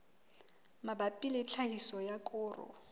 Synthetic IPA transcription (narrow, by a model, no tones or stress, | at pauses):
mabapʼilet͡ɬʰahisɔjakʼʊːrʊ̰